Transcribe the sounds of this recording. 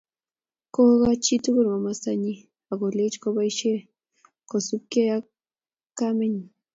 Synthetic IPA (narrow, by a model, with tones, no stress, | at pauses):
ko˦ɣa˦t͡ʃi˦tu˦ku˦ɾma˨ma˦sa˦ɲi˦ | a˨ɡo˨le˦t͡ʃko˦ba˦jʃe˦ | ko˨su˦p̚ke˦ja˦ | kame˦ɲ˨